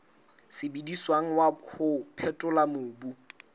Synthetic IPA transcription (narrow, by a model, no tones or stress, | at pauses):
sɪbidiswaŋ̩wakʰʊpʰɛtʼʊlamʊːbu